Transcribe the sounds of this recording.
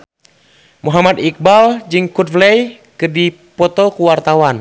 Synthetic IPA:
muɦamad̪ik̚bald͡ʒɨŋkut̪̚flɛj | kɨrdi | pɔt̪ɔkuwart̪awan

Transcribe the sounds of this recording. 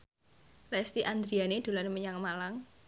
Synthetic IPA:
lɛst̪iʔand̪ɾianed̪̥o̤laneməɲaŋmalaŋ

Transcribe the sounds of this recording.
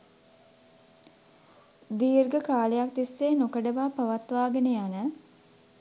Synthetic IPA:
d̪iːrɡəkaːlejak̚d̪isːeːnokəɖəʋaːpaʋat̪ʋaːɡəneanə

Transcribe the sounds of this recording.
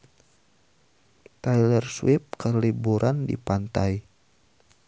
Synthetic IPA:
t̪ajlərswɪp̚kəlibuɾʔandḭpant̪aj

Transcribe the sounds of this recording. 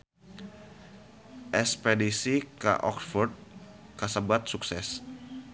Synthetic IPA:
ʔɛspedisika̰ʔɔ̰ksfɔrd̪̚ | kasəbat̪̚suksɛs

